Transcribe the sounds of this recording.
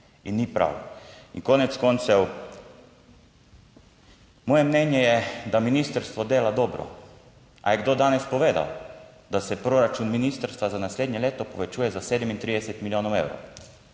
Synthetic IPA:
inːipɾa̰wḭŋkoːnɛt̪skont̪sɛw | mɔːjɛmnɛnjɛjɛd̪aminiːst̪əɾst̪ʋɔd̪eːlad̪ɔːbɾɔ̰ | ʔa̰jɛɡd̪oːd̪aːnɛspɔʋeːd̪a̰w | d̪asɛpɾoɾat͡ʃunminist̪əɾst̪ʋazanasleːd̪nɲɛleːt̪ɔpɔʋɛt͡ʃuːjɛzaseːd̪ɛmint̪ɾiːd̪ɛsɛt̪miljoːnowewɾo̰w

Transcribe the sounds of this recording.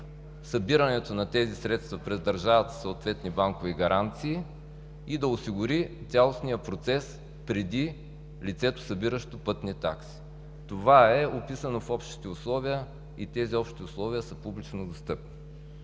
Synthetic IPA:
sɐbiɾɐnɛt̪onɐt̪ɛzisɾɛt̪st̪vɐpɾɛzd̪ɐɾʒavɐt̪soot̪vɛt̪nibaŋkoviɡɐɾʔant̪siː | id̪ɐʊsiɡʊɾit̪ʲalˠosnijəpɾot̪sɛs | pɾɛd̪i | lit̪sɛt̪o̥sɐbiɾəʃt̪opɤt̪nit̪a̰ksi̥ | t̪ovaɛopisənofɔpʃt̪i̥t̪ɛʊslˠɔviə | it̪ɛziɔpʃt̪iʊslˠɔviəsəpublit͡ʃnod̪ost̪ɤpni

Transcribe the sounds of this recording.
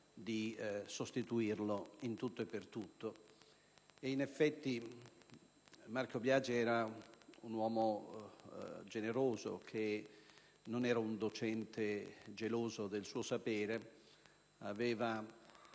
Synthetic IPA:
d̪isost̪it̪uirloint̪ut̪ːoepːert̪ut̪ːo | einefːɛt̪ːi | markobjaːd͡ʒɛːɾaunwɔːmo | d͡ʒeneɾoːzo̰kʰe | nonɛːɾaund̪ot͡ʃɛnt̪ed͡ʒeloːzod̪elsuːosapɛːɾe | avɛːva

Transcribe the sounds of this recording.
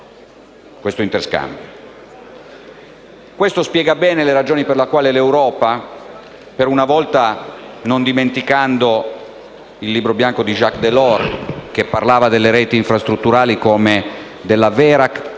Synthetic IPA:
kwest̪oint̪erska̰mbjo | kwest̪ospjɛːɡabɛːneleɾad͡ʒoːniperlakwaːlelewɾɔːpa | peɾunavɔlt̪anond̪iment̪ikand̪o | ilːiːbɾobjaŋkod̪iʒakːd̪elɔrk̟epːarlaːvad̪elːeɾɛːt̪iːɱfɾast̪ɾut̪ːuɾaːlikome | d̪elːavɛːɾak

